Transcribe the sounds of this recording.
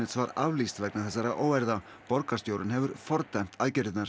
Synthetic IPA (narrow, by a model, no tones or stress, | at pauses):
ɪt̪svaɾa̰vlist̪vɛknaθɛsːaɾaʔoːwɛɾða | pɔɾkast̪jowɾɪnɦɛvʏɾfɔɾt̪ajm̥t̪aðcɪɾɪt̪naɾ̥